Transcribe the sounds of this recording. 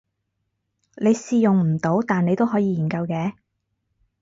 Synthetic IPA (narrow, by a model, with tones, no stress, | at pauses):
ne˨˧jsiː˨jʊ˨ŋm̩˨˩t̪o˨˥wt̪aː˨ne˨˧jt̪o˥wɦɔː˨˥jiː˨˧jiː˨˩nkɐ˧wkɛː˨˥